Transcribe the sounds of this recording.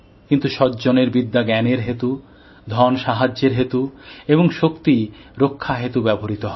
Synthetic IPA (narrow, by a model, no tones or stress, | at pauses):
kint̪uʃɔt̪d͡ʑoneɾbid̪ːaɡɛneɾɦet̪u | d̪ʱɔnʃaɦad͡ʑːeɾɦet̪ueboŋʃokt̪iɾokʰːaɦet̪ubɛboɾit̪oɦɔe